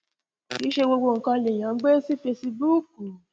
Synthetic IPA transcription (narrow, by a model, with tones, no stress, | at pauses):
ki˨˦ʃe˧wo˧ɡ͡bo˧˨ŋ̩˨kɔ̃˧le˨j̃ã˨˦ɡ͡be˦si˦fe˧si˧bu˦k̚u˨